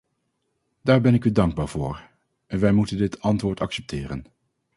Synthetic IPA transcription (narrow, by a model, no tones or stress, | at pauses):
d̥aːɹbɛnɪkydɑŋɡ̚baːɹv̥ʊ̰ːɹ | ʔɛnʋɛjmutəndɪtʰɑntʋʊːɹtɑksɛp̚tʰɪːrə̰n